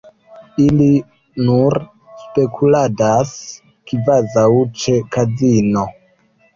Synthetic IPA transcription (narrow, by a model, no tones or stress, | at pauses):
ili | nuɾ | spe̞kʰuladas | kivazawt͡ʃekazino̞